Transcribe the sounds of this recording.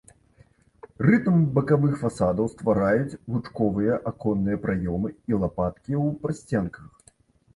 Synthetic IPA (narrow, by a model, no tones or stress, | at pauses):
rɨt̪mbɐkavɨxfasad̪ɐwst̪vaɾajut͡sʲɣut͡ʂkɔvɨjɐʔakɔnːɨjɐpɾʔajɔmɨilˠapat̪kʲiwpɾasʲt͡sʲɛnkɐx